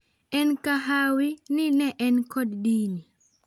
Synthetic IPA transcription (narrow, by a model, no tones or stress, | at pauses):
ɛnkaɦawinɪnɛʔɛnkɔddini